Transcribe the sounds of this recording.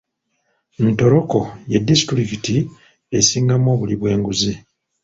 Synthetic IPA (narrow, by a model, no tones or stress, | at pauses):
nto̞ɾo̞ko̞jedːisi̥tuɾikiti | esiːŋɡamo̞ːβuliβwe̞ːŋɡuzi